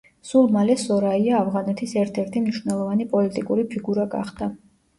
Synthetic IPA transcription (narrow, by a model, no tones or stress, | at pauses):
sulˠmalɛsɔɾaiaːvʁanɛt̪ʰisɛɾt̪ʰɛɾt̪ʰimniʃvnɛlˠɔvanipʼɔlit̪ʼikʼuɾipʰiɡuɾaɡa̰χd̪a